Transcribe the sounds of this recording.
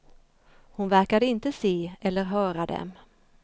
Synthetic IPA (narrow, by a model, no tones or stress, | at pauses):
hʊnvæɾkad̪əɪnt̪əseːɛlːəɾɦœːɾad̪ɛ̰m